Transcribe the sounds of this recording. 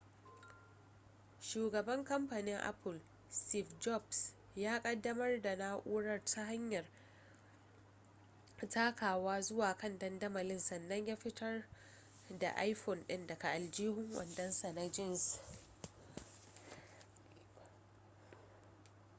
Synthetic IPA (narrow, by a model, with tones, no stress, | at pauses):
ʃuː˨ɡɐ˨bɐ˦ŋkɐ˦mpa˨nɪ˦ŋʔa̰˦pɪ˨l | sti˦˨fd͡ʒɔ˦˨bs | jaː˦kʼɐ˦dːɐ˦mɐ˦rda˨naː˦ʔuː˦ɽɐ˦˨rtʰa˦ɦa˦ɲjɐ˨r | ta˦kaː˨waː˦zʊ˦waː˨kɐ˦ndɐ˦ndɐ˦ma˨lɪ˦nsɐ˨nːɐ˦ɲjaː˦ɸɪ˦tʰɐ˦r | da̰˨ʔa̰˦jɸɔ˨nɗɪ˦ndɐ˨ka˨ʔa˨ld͡ʒiː˦hʊ˦ŋwɐ̰˨ndɐ˦nsa˨na˦d͡ʒɪ˦˨ns